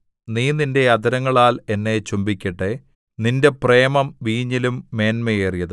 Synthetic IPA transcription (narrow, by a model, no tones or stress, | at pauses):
niːninde̞ɐd̪ɐɾɐŋːɐɭaːle̞nːe̞t͡ɕumbikʲːɐʈːe | ninde̞pre̞ːmɐmʋiːɲːilumːe̞ːnmejeːrijɐðɨ